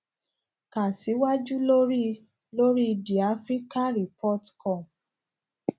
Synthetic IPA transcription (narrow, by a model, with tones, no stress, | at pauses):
ka˨si˨˦wa˦d͡ʒu˦lo˦ɾi˦ | lo˦ɾi˦i˧di˨a˨˦fɾi˦ka˦ɾi˨pɔ˦˨tkɔ̃˦˨